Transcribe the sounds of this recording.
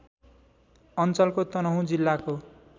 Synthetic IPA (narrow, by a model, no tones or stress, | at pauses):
ʌnt͡sʌlkot̪ʌnʌɦũd͡zilːako